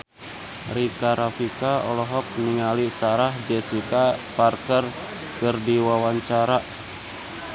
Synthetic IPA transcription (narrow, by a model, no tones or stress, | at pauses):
rikaɾafikaɔ̰lɔɦɔk̚niŋalisaɾahd͡ʒɛsikaparkər | kɨrdiwawaɲt͡ʃaɾaʔ